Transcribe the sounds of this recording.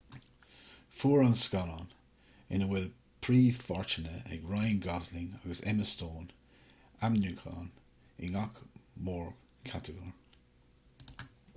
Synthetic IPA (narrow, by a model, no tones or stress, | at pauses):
fuːɹənskɑnɔn | ɪ̰nəwɪl | pʰɹ̥iːfɔɹt͡ʃənəə̰ɡɹaɪ̃nɡɑzlɪ̃ŋaɡəsɛməstoːn | amnjuːkʰa̰ːn | ɪŋɑkmɔɹ | kʰatʰəɡɔɹ